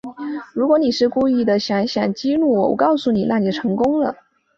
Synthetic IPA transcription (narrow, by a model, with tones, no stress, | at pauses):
ɻu˧˥kwɔ˧˥ni˨˩ʂɻ̩˥˧ku˥˧i˥˩d̪ə˩ɕjɑ˧˥ŋɕjɑ˨˩ŋt͡ɕi˥ɻu˥˩wɔ̰˨˩wɔ̰˨˩˥kɑ˥˩ʊsu˥˩ni˨˩na˥˩i˨˩ʈ͡ʂʰɤ˧˥ŋkʊ˥ŋlə˨